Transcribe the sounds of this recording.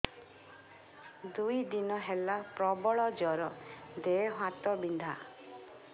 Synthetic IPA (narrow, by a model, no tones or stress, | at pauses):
d̪ujd̪inɔɦelapɾɔbɔɭɔd͡ʒɔɾɔd̪eɦwãt̪ɔbind̪ʱa